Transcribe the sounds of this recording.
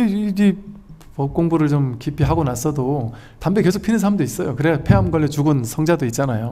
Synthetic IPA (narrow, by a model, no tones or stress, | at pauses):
ɡi | pʌk͈oŋbuɾɯɭt͡ɕomkipʰiɦaɡonas͈ʌdo | tambeke̞sʰokpʰinɯnsʰaamdois͈ʌjokɯɾepʰeamɡwaɭːet͡ɕuɡɯnsʰʌŋd͡ʑadoit̚t͡ɕ͈anajo